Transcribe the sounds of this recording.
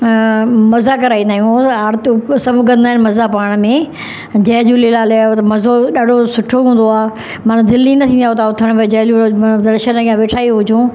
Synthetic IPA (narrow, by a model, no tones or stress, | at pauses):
mɐzakɐɾaːĩnd̪aːɦjũaɾt̪sɐbʱɡɐ̃nd̪aːɪnmɐzapaːɽ̃mẽ | d͡ʑɐɦd͡ʑulilaːleot̪ɐmɐzoɗaːɖʱosʊʈʰoɦũːn̆d̪oaː | mɐnd̪ɪlːinɐt̪ʰĩːniaot̪ʰaʊt̪ʰəɽ̃ed͡ʑɐɦd͡ʑud̪ɐɾʃənaɡiːãʋeːʈʰaːiɦʊd͡ʑʱũ